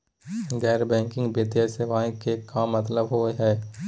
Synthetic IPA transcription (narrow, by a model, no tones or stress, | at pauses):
ɡɛːɾbɛ̃ːŋkɪ̃ŋɡbɪt̪jaseʋaːĩkekaːmːɐt̪ləbɦoɦɛː